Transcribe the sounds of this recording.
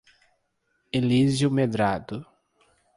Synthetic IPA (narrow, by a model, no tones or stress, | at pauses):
elizjʊmed̪ɾad̪ʊ